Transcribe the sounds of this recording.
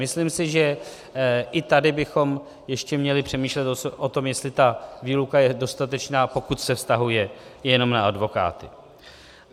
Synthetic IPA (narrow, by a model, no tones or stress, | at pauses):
mɪslimsɪʒɛ | ʔɪt̪adɪbɪxo̞m | jɛʃcɛmɲɛlɪpr̝̥ɛmiːʃlɛt̪ʔot̪o̞mjɛst̪lɪt̪aviːlukajɛdo̞st̪at̪ɛt͡ʃnaːpo̞kut̪sɛfst̪aɦujɛjɛno̞mnaadvo̞ka̰ːt̪ɪ̰